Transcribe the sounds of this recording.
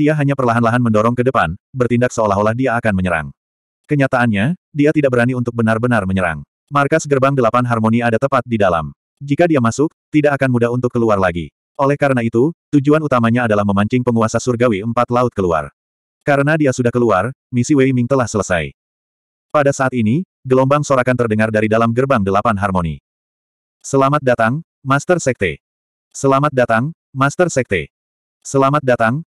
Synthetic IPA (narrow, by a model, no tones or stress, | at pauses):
diaɦaɲapərlaɦanlaɦanməndɔɾɔŋkədəpanbərt̪indak̚səolaɦolahdiaːkanməɲəɾa̰ŋ | kəɲat̪aʔːnɲadiat̪idaʔ̚kbəɾaniunt̪ʊk̚bənarbənarməɲəɾa̰ŋ | markasɡərbaŋdəlapanɦarmoniadat̪əpat̪̚didala̰m | d͡ʒikadiamasʊk̚t̪idaʔakanmudaɦunt̪ʊkːəluarlaɡḭ | ʔolɛhkaɾənait̪ut̪ud͡ʒuanut̪amaɲaːdalahməmaɲt͡ʃɪŋpəŋuasasurɡawiəmpat̪laʊt̪̚kəlua̰r | kaɾənadiasudahkəluar | misiweimiŋt̪əlahsələsa̰j | padasaːt̪ini | ɡəlɔmbaŋsoɾakant̪ərdəŋardaɾidalamɡərbaŋdəlapanɦarmonḭ | səlamat̪̚dat̪aŋ | mast̪ərsɛk̚t̪ḛ | səlamat̪̚dat̪aŋ | mast̪ərsɛk̚t̪e | səlamat̪̚dat̪aŋ